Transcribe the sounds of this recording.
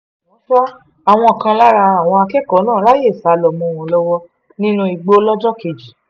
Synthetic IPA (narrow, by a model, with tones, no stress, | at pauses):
ɔ̃˨˦ta˦ | a˨w̃ɔ̃˧ɔ˨kã˧la˦ɾa˧a˦˨w̃ɔ̃˧a˧kɛ˦kɔ˨˦nãː˦˨˦ɾa˦je˦˨sa˨˧lɔ˨mũ˧˨w̃ɔ̃˨lɔ˦wɔ˦ | nĩ˦nũ˦i˧ɡ͡bo˦lɔ˦d͡ʒɔ˦ke˨˧˨d͡ʒi˨